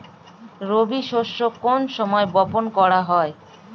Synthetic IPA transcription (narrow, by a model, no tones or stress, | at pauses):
ɾobiʃoʃːokonʃɔmɔebɔponkɔɾaɦɔe